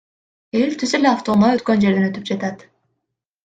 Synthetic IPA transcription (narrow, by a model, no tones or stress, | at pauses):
e̞lʲt̪ʰyse̞leaft̪o̞naø̞t̪̚kø̞nd͡ʒeɾd̪enø̞t̪yp̚d͡ʒat̪at̪